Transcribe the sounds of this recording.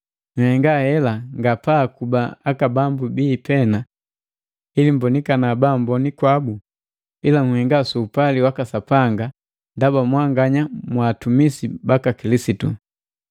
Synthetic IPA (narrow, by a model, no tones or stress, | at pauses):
ŋ̩hɛŋɡahɛlaŋɡapakubaakabambubiːpɛna | ilimbɔnikanabambɔnikwabu | ilaŋhɛŋɡasuːpaliwakasapaŋɡa | ndabamwaŋɡaɲamwaːtumisibakakilisitṵ